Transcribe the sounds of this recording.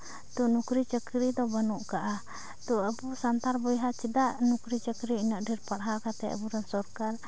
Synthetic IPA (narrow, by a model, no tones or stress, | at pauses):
t̪unukɾit͡ʃəkɾid̪ɔbanuʔkaʔa | t̪uabusant̪aɾbɔjɦat͡ʃidaʔnukɾit͡ʃəkɾiːnaʔdirpaɾɦakat̪ɛa̰buɾansɔrkal